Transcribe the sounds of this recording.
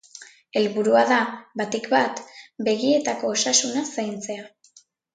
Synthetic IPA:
e̞lβuɾuaðabat̪ikbat̪be̞ɣie̞t̪ako̞ːsasunasajnt͡se̞a

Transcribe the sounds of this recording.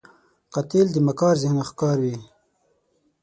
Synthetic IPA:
qat̪ild̪əmakɑːɾzɪhnaxkɑːɾwi

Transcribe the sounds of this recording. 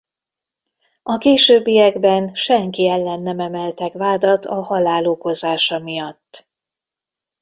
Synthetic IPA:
ɒkeːʃøːbːijɛɡbɛnʃɛŋkiɛlːɛnːɛmɛmɛlt̪ɛkʋaːd̪ɒt̪ɒhɒlaːloːko̞zaːʃɒmijɒt̪ː

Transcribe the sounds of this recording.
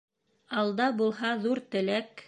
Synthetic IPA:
ɑlˠd̪ɑbulˠɦɑðuɾt̪ɘ̆læk

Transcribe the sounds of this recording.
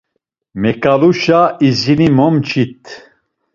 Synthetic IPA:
mɛkʰʼaluʃaizinimɔmt͡ʃʰit̪ʰ

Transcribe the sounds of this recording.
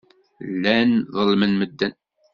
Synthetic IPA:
lːænðˤəlmənməd̪ːən

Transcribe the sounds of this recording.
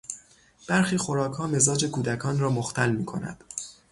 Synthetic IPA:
b̥æɾxiːxo̞ɾɒːkʰhɒːme̞zɒːd͡ʒe̞kʰuːd̪ækʰɒːnɾɒːmoxt̪ʰælmiːkʰo̞næ̰d̪̥

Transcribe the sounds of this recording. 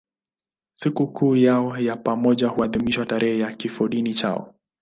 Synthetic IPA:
sikukʰuːjaɔjapamɔʄahuaðimiʃwataɾɛhɛjakifɔɗinit͡ʃa̰ɔ̰

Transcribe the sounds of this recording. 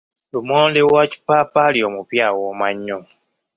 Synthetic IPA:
lumoːndewaci̥paːpaːlio̞ːmupjaːwoːmaɲːo

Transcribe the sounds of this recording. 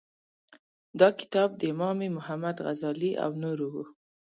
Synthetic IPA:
d̪ɑkɪ̥t̪ɑb̚d̪əɪmɑmemʊhamad̪ɣazɑliʔa̰wnoɾuwu

